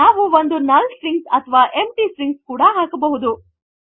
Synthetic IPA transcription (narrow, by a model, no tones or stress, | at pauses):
naːʋuʋond̪unɐlsɾiŋɡsɐt̪ʰɐʋaːʔemʈiːsɾiŋɡskuːɽɐɦaːkɐbɐɦud̪u